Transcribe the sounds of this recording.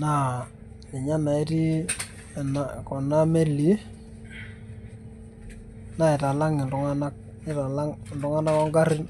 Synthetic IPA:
na˦˨ | ɪ˨ɲa˦na˨i˦ti˦˨ | na˨kɔ˨na˦me˦li˦ | na˦ɪ˨ta˨la˦ŋɪ˨ndʊ˨˦ŋa˦na˦k̚ | ɪ˦ta˨la˦ŋ˨ndʊ˦ŋa˦na˦kɔ˦ŋɡa˦ɾɪ˦n

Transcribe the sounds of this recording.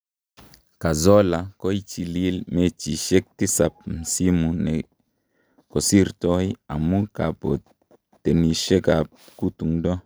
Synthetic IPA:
ka˨zɔ˦la˨ko˦i˦t͡ʃi˨li˦lme˦t͡ʃi˨ʃe˦k̚ti˦sa˨p̚m̩˨si˦mu˨nɛ˨ | ko˨si˦ɾtɔ˦i˦a̰˨mu˦ka˨po̰˨ | t̪e˨ni˨ʃe˦ka˨p̚ku˦tu˨ŋdɔ˦

